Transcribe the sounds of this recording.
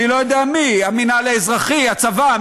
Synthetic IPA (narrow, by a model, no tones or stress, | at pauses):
ilojod̪eamiaminaleezʁaχiat͡sava